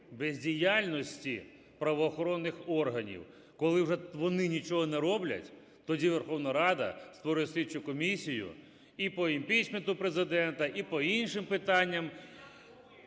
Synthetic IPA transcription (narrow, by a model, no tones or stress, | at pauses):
bezʲdʲijalʲnɔsʲtʲi | pɾɐʋɔːxɔɾɔnːɪxɔrɦɐnʲḭw | kɔlˠɪwʐɛʋɔnɪnʲit͡ʃɔɦɔnɛɾɔblʲɐ̰tʲ | t̪ɔdʲiʋerxɔwnɐɐɾɑd̪ɐ̰st̪ʋɔɾʊjɛsʲlʲit͡ʃʊkɔmʲisʲijʊ̰ | ipɔimʲpʲit͡ʃment̪ʊpɾezɪd̪ɛnt̪ɐʔipɔinʃɪmpɪt̪ɑnʲːɐm